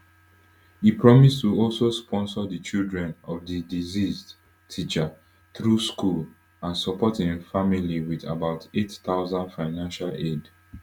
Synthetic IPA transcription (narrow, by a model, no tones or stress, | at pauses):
hipɹɔmistuɔlsospʰɔ̃nsɔdət͡ʃildɹɛ̃nɔvðidiziz | tʰit͡ʃa | θɹuskul | ãnsɔpɔthĩnfamiliwiða̰baʊtettaʊzãndfaɪnãnʃaled